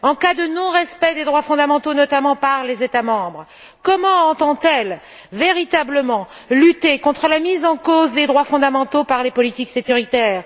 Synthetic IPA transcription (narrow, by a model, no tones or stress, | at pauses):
ɑ̃kad̪ənɔ̃ʁɛspɛd̪ed̪ʁwafɔ̃d̪amɑ̃t̪onɔt̪amɑ̃paʁlezet̪amɑ̃bʁ | kɔmɑ̃ɑ̃t̪ɑ̃t̪ɛl | veʁit̪abləmɑ̃ | lyt̪ekɔ̃t̪χəlamizɑ̃kozd̪ed̪ʁwafɔ̃d̪amɑ̃t̪opaʁlepɔlit̪iksekʲyʁit̪ɛːʁ